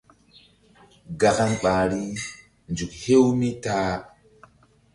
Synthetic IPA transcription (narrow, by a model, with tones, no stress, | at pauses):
ɡa˨ka˦nɓa˨ɾi˦ | nd͡ʒu˨k̚he˦wmi˦taː˦